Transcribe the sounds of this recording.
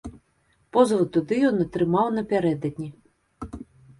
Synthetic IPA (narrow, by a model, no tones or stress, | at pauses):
pɔzvɔt̪ːud̪ɨjɔnɐt̪ɾɨmawnɐpʲaɾɛd̪ɐd̪̚ʲnʲi